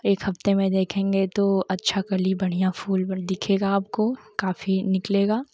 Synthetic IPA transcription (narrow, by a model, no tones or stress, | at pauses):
eːkhɐft̪emẽd̪eːkʰẽːŋɡet̪oɐtːʃʰakɐlibɐɽ̤ijafuːld̪ɪkʰeːɡaːp̚kokaːfinɪkleːɡaː